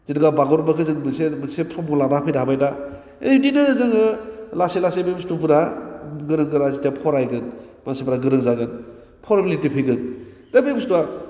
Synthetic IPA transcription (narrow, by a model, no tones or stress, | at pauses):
zedɯɡabaɡɔɾbakʰɯzɯŋmɯsemɯsepʰɾɔmuladapʰɯjdaabajda | edinɯɯzɯŋɯlaselasebebstupɯɾaɡɯɾɯŋɡɯɾazitapʰɔɾajɡɯn | mansebɾaɡɯɾɯŋzaɡɯn | pʰɔɾbilitipʰeɡɯn | dabebstua